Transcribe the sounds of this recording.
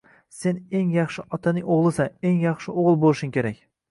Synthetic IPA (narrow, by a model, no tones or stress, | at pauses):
se̞neŋjɑχʃɪʔɒt̪ʰanɪŋoʁlˠɪsaneŋjɑχʃɪʔoʁɨlˠbolˠɪʃʊŋkʲʰe̞ɾakʲ